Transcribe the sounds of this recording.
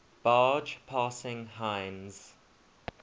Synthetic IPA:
b̥ɑːd͡ʒpʰɑːsɪ̃ŋɦãɪnz̥

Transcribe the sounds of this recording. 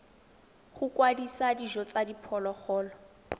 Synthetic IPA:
χʊkwadisadiʒɔt͡sadipʰɔlɔχɔːlɔ

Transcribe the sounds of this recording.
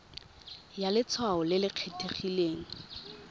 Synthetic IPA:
jalɪt͡sʰwaʊlɪlɪq͡χʰetʰeχileːŋ̩

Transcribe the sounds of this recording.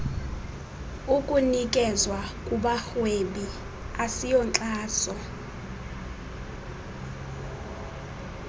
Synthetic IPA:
ukʼunikʼɛzwakʼuɓaxweɓi | asijɔnt͡ɬʼaːsɔ

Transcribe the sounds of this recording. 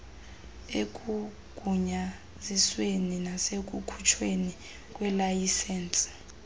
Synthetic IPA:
ek̬ʼu | ɡ̥ʱuɲa | zisweninasek̬ʼukʰu̥t͡ʃʰweni | k̬ʼwɛlajisɛnsʼ

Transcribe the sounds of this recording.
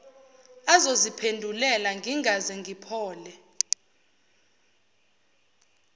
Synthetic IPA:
azozipʰendʱulɛlaŋʱiŋazɛŋʱipʰɔːlɛ

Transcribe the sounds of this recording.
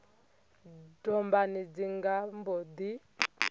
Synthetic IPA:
dɔmbanid͡ziŋɡambɔd̪i

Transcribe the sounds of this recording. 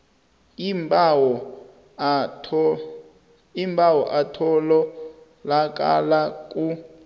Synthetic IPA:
mbɔ | imbawɔʔatʰɔlɔ | lak̬ʼa̰lakʼu

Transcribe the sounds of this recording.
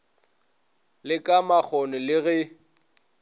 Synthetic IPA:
lɪkʼamak͡xʰɔnɪlɪɣɛ

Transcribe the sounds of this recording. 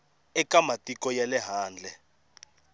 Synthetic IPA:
ɛkamatʼikɔjɛlɛɦaːnd͡ɮʱɛ

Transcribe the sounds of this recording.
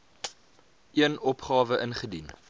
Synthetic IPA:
ʔiənɔpχɑːvəʔənχədin

